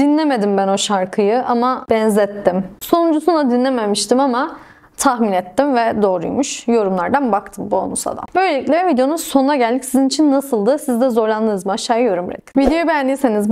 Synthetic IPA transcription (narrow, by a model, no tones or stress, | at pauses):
d̪̥inlʲeme̞d̪imbæno̞ʃaɾkʰɯjɯʔamab̥ɛnzɛt̪ːimso̞nund͡ʒusunlˠad̪inlʲememiʃt̪imama | t̪ʰaxminɛt̪ːimvɛd̪o̞ːɾujmuʃjo̞ɾumlˠaɾd̪anbakt̪ʰɯmbuo̰nusa̰d̪a̰mbø̞jlʲeicʲlʲɛvid̪ejo̞nuzsonunaɟælʲd̪icʲsizinit͡ʃʰinːasɯlˠd̪ɯsizd̪ɛzo̞ɾlˠand̪ˠɯnɯzmɯaʃːaːjɯjo̞ɾumɾɛ̰kvid̪ejobnd̪iseniz